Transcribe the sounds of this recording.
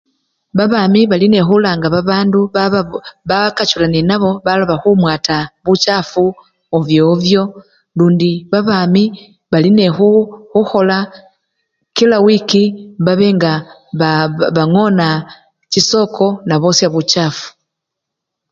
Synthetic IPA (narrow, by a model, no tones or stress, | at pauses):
βaβaːmiβaline̞xulaːŋɡaβaβaːndu | βakat͡ʃulanenaβo̞βaloβaxumwaːtaβut͡ʃaːfu | ovjovjo̞ | luːndiβaβaːmi | βaline̞xuxuxo̞la | kilawikiβaβe̞ːŋɡa | βaŋo̞na | ciso̞ːkʰo̞naβo̞ːsiaβucaːfu̥